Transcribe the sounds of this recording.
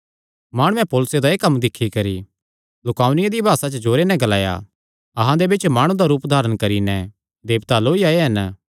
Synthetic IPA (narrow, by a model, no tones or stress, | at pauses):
maːɽ̃ũɛ̃poːlʊsed̪aeːkɐmd̪ɪkʰːikɐɾi | lʊkaːʊnɪjãd̪ibʱaːsat͡ʃəd͡ʒoːɾenɛ̃ɡɐlaːja̰ | ɐɦãd̪ebɪt͡ʃmaːɽ̃ũd̪aɾuːpd̪ʱaːɾəɽ̃kɐɾinɛ̃ | d̪eːbt̪aːloːiaːeɦɐn